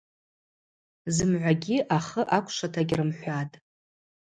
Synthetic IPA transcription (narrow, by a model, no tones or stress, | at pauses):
zɨmʕʷaɡʲiʔaχəʔakʷʰʼʂatʰaɡʲrɨmħʷatʼ